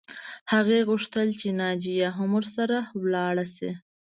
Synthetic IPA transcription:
haɣeɣʊʂt̪əlt͡ʃenɑd͡ʒijaɦamʊɾsaɾawlɑɽasḛ

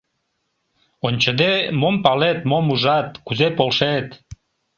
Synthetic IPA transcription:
onʲt͡ɕəd̪emompɑlet̪momuʒɑt̪kuzepolʃet̪

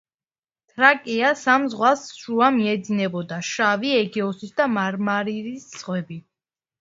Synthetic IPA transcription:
t̪ʰɾakʼiasamzʁwasʃuamiɛd̪zinɛbɔd̪aʃaviɛɡɛɔsisd̪amaɾmaɾiɾisʁwɛbi

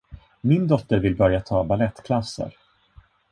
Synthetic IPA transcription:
mɪnd̪ɔt̪ːəɾvɪlbœɾjat̪ʰɑːbalɛt̪ːkʰlasːə̰ɾ

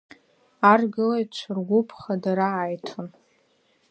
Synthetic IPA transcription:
arɡɨlajt͡ʃʷʰɨrɡʷʊpʰχadaɾaːjtʰon

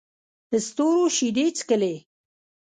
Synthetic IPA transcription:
həst̪oːɾoʃid̪et͡skəle

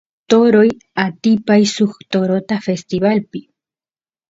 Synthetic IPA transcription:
t̪oɾoj | at̪ipajsuxt̪oɾot̪afest̪iβalpi

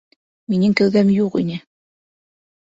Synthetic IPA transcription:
minʲɘŋkæ̆lɡæmjuqḭnʲɘ

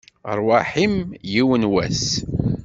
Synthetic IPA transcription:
ɾˤwaħimjiwənwæs

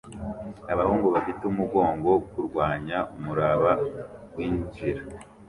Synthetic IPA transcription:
aβahuːŋɡoβafiteumuɡo̞ːŋɡo̞kuɾɡwaːɲaumuɾaβawiːnt͡ʃiɾa

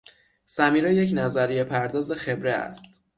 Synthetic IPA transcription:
sæmiːɾɛjecnæzæɾijepʰæɾd̪ɒːze̞xe̞bɾeæ̰st̪

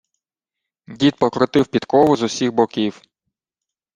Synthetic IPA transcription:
dʲit̪̚pɔkɾɔt̪ɪwpʲit̪kɔʋʊzʊsʲiɣbɔkʲiw

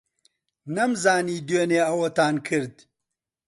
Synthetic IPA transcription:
nɐmzaːniːd̪eːneːɐwɐt̪aːnkʰɨɾd̪

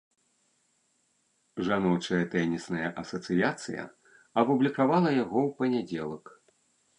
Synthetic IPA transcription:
ʐanɔt͡ʂɐjɐt̪ɛnʲisnɐjɐʔɐsɐt̪sɨjat̪sɨjɐ̰ | ɐpublʲikavalˠɐjaɣɔwpɐnʲad͡zʲɛlˠɐk

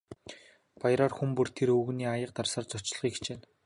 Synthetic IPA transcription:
pajɾɔːrxumpɵr̥t̪ʰeɾɵɣniːajə̆q̚t̪arsɔːrt͡sɔt͡ɕɪ̆ɮʁiːkʰt͡ɕeːn

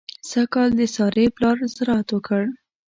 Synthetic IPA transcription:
sakɑld̪əsɑɾeplɑɾzɾɑat̪wəkʰəɽ

